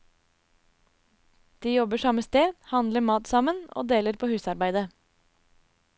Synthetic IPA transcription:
d̪̥iːjɔbəʃɑməst̪eːhɑnd̪ləmɑːt̪sɑməno̰ːd̪eːləɾpʰoːhʉːsɑɾbæɪd̪ə

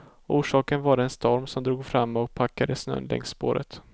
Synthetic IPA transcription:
ʔuːʂɑːkənvaɾɛnst̪ʰɔɾmsɔmd̪ɾuːɡfɾamːaɔk̚pʰakːad̪əsnœ̰nlɛ̰ŋsːpoːɾə̰t̪

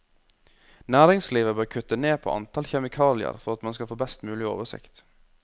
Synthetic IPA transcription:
næːɾɪŋsliːʋəbœːɾkʰʉt̪əneːpʰo̰ːʔɑ̰nt̪ʰɑlçɛmɪkʰɑːlɪə̰ɾfɔɾɑt̪mɑnskɑfoːbɛst̪mʉːlɪo̰ːʋəsɪ̰kt̪

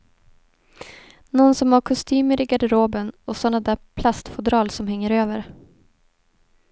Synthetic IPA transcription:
nɔnsɔmhaɾkʰʊst̪ʰyːməɾɪɡaɖ̪əɾoːbənɔsɔnːad̪æːpʰlast̪fʊd̪ɾɑːlsɔmhɛŋːəɾøːvəɾ

